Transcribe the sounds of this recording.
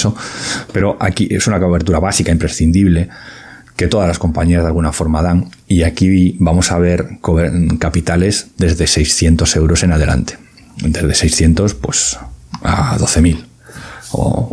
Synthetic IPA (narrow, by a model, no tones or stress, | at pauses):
sopeɾo̞ʔakiʔe̞sunakoβe̞ɾt̪uɾaβ̞asikaimpɾe̞sθind̪iβle̞ | ke̞t̪o̞ðazlasko̞mpaɲiazðalɣ̞unafo̞ɾmað̞aŋ | iakibamo̞saβ̞e̞ɾkokapit̪ale̞zd̪e̞zðe̞sejsθje̞nt̪o̞se̞wɾo̞se̞nað̞e̞lʔa̰nt̪e̥ | d̪e̞zðe̞sejsθje̞nt̪o̞spwe̞sa̰ðo̞θe̞mil | o̰